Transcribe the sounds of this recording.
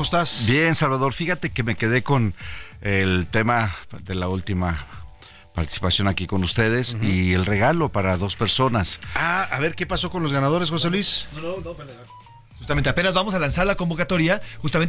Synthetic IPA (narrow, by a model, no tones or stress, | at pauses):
ooest̪asbje̞nsalβaðo̞ɾfixat̪e̞ke̞me̞ke̞ðe̞ko̞nelt̪e̞maðelault̪ima | pa̰ɾt̪i̥si̥pasjo̞nakiko̞nust̪e̞ð̞e̞sie̞lre̞ɣalo̞paɾaðo̞spe̞ɾso̞nasaaβe̞ɾke̞pasokonlozɣanaðo̞ɾe̞sxo̞s̬elwis | xust̪ament̪eapnazβamo̞salansaɾlako̞mbo̞kat̪o̞ɾjaxust̪ame̞n